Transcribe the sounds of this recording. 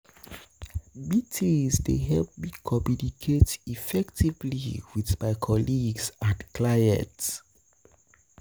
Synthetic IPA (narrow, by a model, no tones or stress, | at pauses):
bitʰizdeɦɛlp̚bĩkʰɔmjunikʰetifɛktʰivliwiθmaɪkʰɔliɡzãnklaɪɛ̰̃t